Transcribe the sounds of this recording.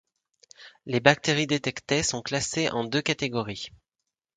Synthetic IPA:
lebak̚t̪eʁid̪et̪ɛkt̪esɔ̃klaseʔɑ̃d̪økat̪eɡɔʁi

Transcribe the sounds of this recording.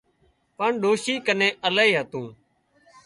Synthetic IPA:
pəɳɗoːʃiːkənẽːʔəlaːiːɦət̪ũː

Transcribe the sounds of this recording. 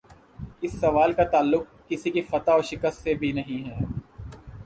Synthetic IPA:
ɪsːɐʋaːlkat̪aːlːʊk̚ːɪsikifɐt̪aɔːɾʃɪkəst̪sebʱinɐɦĩɦɛː

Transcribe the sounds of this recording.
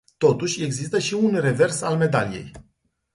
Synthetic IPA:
t̪o̞t̪uʃʲe̞ɡzist̪əʃiunre̞ve̞rsalme̞d̪alije̞̰j

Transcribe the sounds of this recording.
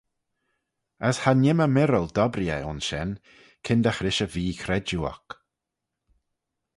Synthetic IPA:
əshanɪməmɪɾəlˠd̪ɔbɾjə̰ʊnsʃɛn | kʰɪnd̪axɾɪʃəviːkʰɾɛd͡ʒuɔ̰k

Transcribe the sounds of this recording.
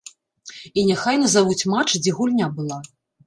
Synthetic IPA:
inʲɛxajnɐzavut͡sʲmat͡ʂd͡zʲɛɣulʲnʲabɨlˠa

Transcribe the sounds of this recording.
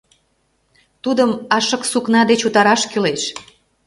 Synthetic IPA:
t̪ud̪əmɑʃɤ̆ksuknɑd̪et͡ɕut̪ɑɾɑʃkyleʃ

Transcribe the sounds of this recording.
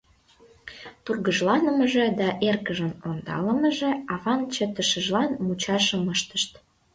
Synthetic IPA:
t̪urɣəʒlɑnəməʒĕd̪ɑʔerkəʒənond̪ɑ̰lə̆məʒĕɑβɑnt͡ɕət̪əʃəʒlɑnmut͡ɕɑʃə̆məʃt̪əʃt̪

